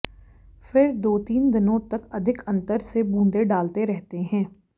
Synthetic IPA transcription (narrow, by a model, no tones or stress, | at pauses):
fɪɾd̪oːt̪iːnd̪ɪnõt̪ɐkɐd̪ʱɪkɐ̃nt̪əɾsebũːnd̪eɖaːlt̪eɾɛɦt̪eɦɛ̃ː